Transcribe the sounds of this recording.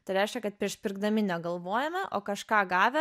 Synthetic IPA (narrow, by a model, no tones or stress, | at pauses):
t̪ɐɪɾʲɛɪʃʲkʲɛkɐt̪̚pʲɾʲiɛʃpʲɪɾɡd̪ɐmʲɪnʲɛɡɐlˠʋoːjɛmʲɛʔoːkɐʃkɑːɡɑːʋʲɛ